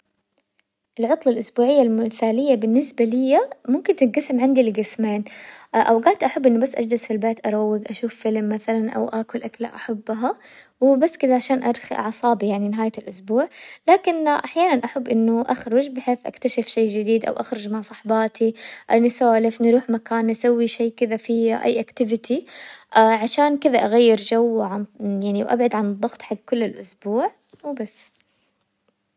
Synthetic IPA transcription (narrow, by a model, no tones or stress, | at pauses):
ʔɪlʕʊt̪ˤlɑlʔʊsbuːʕɪjːalmʊmθaːlɪjːabɪnːɪsbalɪjːamʊmkɪnt̪ɪɡasɪmʕand̪ilɡɪsmeːnʔawɡaʕt̪ʔaħabːʔɪnːʊbasːʔa̰d͡ʒd̪ɪsfilbeːt̪ʔɑɾˤɑwːɪɡʔaʃuːfːɪlmːaθalanʔa̰wʔakʊlʔakla̰ʔaħabːɦa | wɪbasːkɪd̪aʕaʃaːnʔaɾˤxḭʔa̰ʕsˤɑːbijaʕninɪɦaːjalʔʊsbuːʕlaːkɪnʔaħjaːnanʔaħabːʔɪnːʊʔaxɾʊd͡ʒbɪħeːθʔa̰kt̪aʃɪfʃeːd͡ʒɪd̪iːd̪ʔa̰wʔaxɾʊd͡ʒmaʕsˤɑħbɑːt̪ʰiʔanɪsaːlɪfnɾuːħmakaːnʔasawːiʃeːkɪðafiʔa̰jːʔakt̪ɪvɪt̪ʰiʔaːʕaʃaːnkɪðaʔaɣajːɪɾd͡ʒawʕanjaʕniwʔa̰bʕad̪ʕand̪ˤːɑɣt̪ˤħaɡkʊlːɪlʔʊsbuːʕ | wbasː